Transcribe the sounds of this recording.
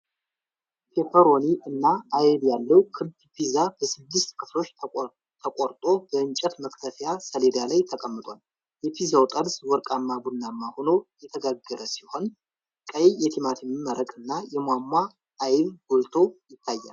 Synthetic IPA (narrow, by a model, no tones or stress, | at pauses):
kʰefəɾoniʔɨnːaajɛβjalːəwkʰɨd̪pʰizab̥əsɨd̪ːɨst̪kʰɨflo̞t͡ʃː | t̪ʰəkʼoɾt̪ʼo̞bəɨnt͡ʃʼɛt̪məkt̪ʰəfjasəleɾijalajt̪ʰəkʼəmːɨt̪ʼwal | jɛpʰizawt̪ʼəlswɔɾkʼamːabunːamːahono̞jɛt̪ʰəɡaɡːəɾəsiho̞n | kʼəjjɛt̪ʰimat̪ʰɛmɨmːəɾəkʼɨnːajɛmwamːaː | jβɡult̪ʰo̞jɪt̪ʰːajːa̰l